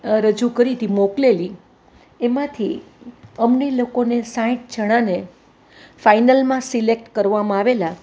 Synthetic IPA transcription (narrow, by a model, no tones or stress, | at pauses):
ɾəd͡ʒukəɾit̪imokleli | emãt̪ʰi | əmnelokonesãĩʈ̚d͡ʒʱəɽ̃ane | fainəlmãsilek̚ʈkəɾʋamãaʋela